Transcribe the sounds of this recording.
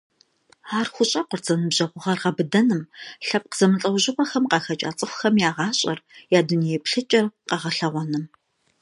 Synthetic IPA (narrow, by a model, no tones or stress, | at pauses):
aːrxʷʊɕʼɐqʷʊrt͡sʼɐnɨbʑɐʁʷʊʁɐrʁɐbɨdɐnɨmɬɐp̚qəzɐmɨɬʼɐwʑɪqʷɔxɐmqɑːxɐt͡ʃʼa̰ːt͡sʼɨxʷʊxɐmjaːʁɑːɕʼɐ̰rjaːdunijɛpɬɨt͡ʃʼɐrqɑʁɐɬɐʁʷɔnɨm